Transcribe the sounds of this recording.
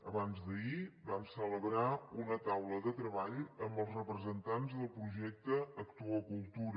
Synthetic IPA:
əβanzd̪əibamsələβɾaunət̪awləðət̪ɾəβaʎəmbəlˠzrəpɾəzənt̪anzðəlˠpɾuʒɛk̚t̪əːkt̪uəkulˠt̪uɾ

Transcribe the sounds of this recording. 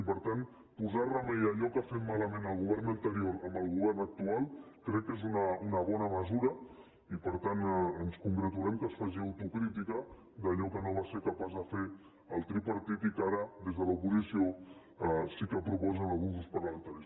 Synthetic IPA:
ipəɾt̪an | puzarəmejəʎɔkafet̪̚maləmẽnəlˠɣuβɛɾnənt̪əɾioɾəmbəlˠɣuβ̞ɛɾnək̚t̪ualˠ | kɾɛkːezunəunəβɔnəməzuɾə | ipəɾt̪anənskuŋɡɾət̪uɾɛmkəsfaʒiəwt̪ukɾit̪ikə | d̪əʎɔkənoβaseɾkəpazðəfe | əlˠt̪ɾipəɾt̪it̪ikaɾəðezðələupuzisio | sikəpɾupɔzənəlˠɣunzuspəɾləmə̃nt̪aɾius

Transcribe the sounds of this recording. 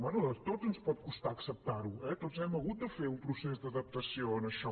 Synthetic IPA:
manut̪odzənspɔt̪̚kust̪aəksəp̚t̪aɾuɛt̪otzɛməɣut̪̚d̪əfeumpɾusezd̪əðəp̚t̪əsioənəʃɔ

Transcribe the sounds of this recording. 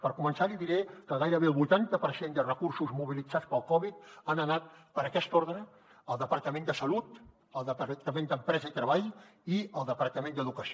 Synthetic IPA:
pəɾkumənsaliðiɾɛkəɣajɾəβ̞eəlˠβut̪ant̪əpəɾsend̪ərəkuɾsuzmuβ̞ilid͡zat͡spəlˠkɔβit̪anənat̪̚pəɾəkɛst̪oɾðɾəː | lˠd̪əpəɾt̪əmẽnd̪əsəlut̪ | əlˠd̪ət̪əmẽnd̪əmpɾɛzəit̪ɾəβaʎiəlˠd̪əpəɾt̪əmẽnd̪əðukəsi

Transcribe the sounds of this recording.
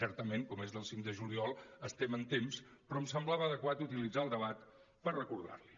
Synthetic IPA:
sɛɾt̪əmeŋkɔmezðəlˠsiŋkd̪əʒuliɔlˠəst̪ɛmənt̪emspɾɔəmsəmblaβəðəkwat̪ut̪ilid͡zaəlˠd̪əβ̞at̪ | pərrəkuɾða̰ɾli

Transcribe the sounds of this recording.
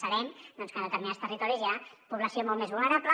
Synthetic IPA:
səɾɛmd̪ɔnskənd̪ət̪əɾminast̪ərit̪ɔɾizjapuβləsiomɔlˠmezβulˠnəɾaplə

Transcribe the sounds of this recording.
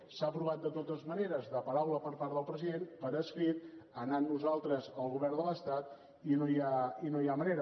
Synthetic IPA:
saəpɾuβat̪̚d̪ət̪ot̪əzməneɾəzðəpəɾawləpəɾpaɾt̪ðəlˠpɾəziðenpəɾəskɾit̪̚ənanːuzalˠt̪ɾəzəlˠɣuβɛrnd̪ələst̪at̪ | inojainojaməneɾə

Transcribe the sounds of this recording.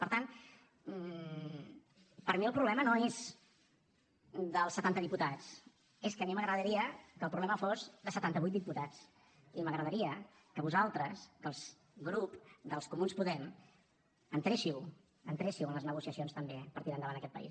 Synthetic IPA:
pəɾt̪an | pəɾmiəlˠpɾuβlɛmənoez | d̪əlˠsːət̪ant̪əðiput̪at͡s | eskəːmiməɣɾəðəɾiəkəːlˠpɾuβlɛməfozðəsət̪ant̪əβujt̪d̪iput̪at͡s | iməɣɾəðəɾiə | kəβuzalˠt̪ɾəskəlˠz | ɣɾupd̪əlˠskumunspuðɛm | ənt̪ɾeʃiw | ənt̪ɾeʃiwənləznəɣusiəsionst̪əmbepəɾt̪iɾənd̪əβandəkɛt̪̚pə̰ḭs

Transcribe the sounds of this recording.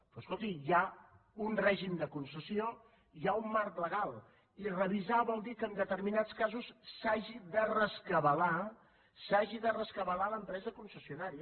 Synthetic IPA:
pɾɔskolˠt̪ija | unrɛʒimd̪əkunsəsio | iaumːaɾt̪ləɣ̞alˠ | irəβizaβɔlˠd̪ikəːnd̪ət̪əɾminat͡skazusːaʒiðərəskəβəla | saʒiðərəskəβəlaləmpɾɛzəkunsəsiunaɾiə

